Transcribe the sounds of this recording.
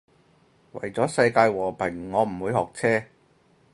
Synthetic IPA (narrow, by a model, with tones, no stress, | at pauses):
wɐ̰˨˩jt͡sɔː˨˥sɐ˧jkaː˧jwɔː˨˩pʰɛ˨˩ŋŋɔː˨˧m̩˨˩wuː˨˧jhɔː˨˩k̚t͡sʰɛː˥